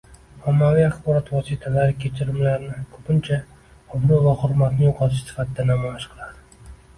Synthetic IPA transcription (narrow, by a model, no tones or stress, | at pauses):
ɒmːavijaχbɒɾɒt̪vɒsit̪ʰalaɾɪkʲʰe̞t͡ʃʰɪɾɪmlaɾnɪkʰɵpʰɪnt͡ʃʰa | ʊbɾʊvahʊɾmat̪nɪjoqʰɑt̪ʰɪʃsɪ̥fat̪ʰɪd̪anamɒjaʃqʰɨlˠad̪ɪ